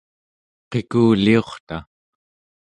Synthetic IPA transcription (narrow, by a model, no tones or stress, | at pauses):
qe̞kuːlio̞χt̪a